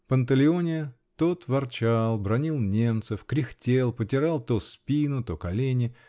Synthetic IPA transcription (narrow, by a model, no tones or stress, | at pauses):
pənt̪əlʲɪonʲɪ | t̪o̞t̪vɐrt͡ɕalˠbɾɐnʲilˠnʲe̞mt̪sɨfkɾʲɪxtʲe̞lˠpətʲɪɾalˠt̪ospʲinʊt̪okɐlʲenʲɪ